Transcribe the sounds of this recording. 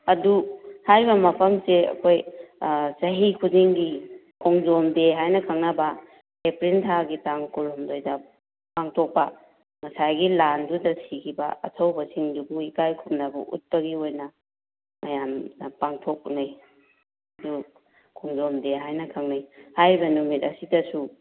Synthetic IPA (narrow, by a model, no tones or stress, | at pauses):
ɐduhajbɐmɐpʰɐmseɐ̰kʰoj | sɐɦikʰuziŋɡi | kʰɔŋzomdeɦajnɐkʰɐŋnɐbɐ | kepɾintʰaɡitaŋkulumdojdɐ | paŋtʰok̚pɐ | ŋɐsajɡilandudɐsikʰibɐ̰ɐ̰tʰɐwbɐsiŋdubuikajkʰup̚nɐbɐ̰ʔṵt̚pɐɡiojnɐ | mɐjamdɐpaŋtʰok̚naj | du | kʰɔŋzomdeɦajnɐkʰaŋnajhajɾbɐnumitɐsidɐsu